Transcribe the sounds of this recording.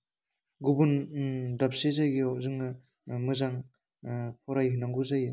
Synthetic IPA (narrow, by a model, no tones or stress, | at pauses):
ɡubundap̚sezajɡiɔzɯŋɯ | mɯzaŋ | pʰɔɾajɦɯnaŋɡuzajɯ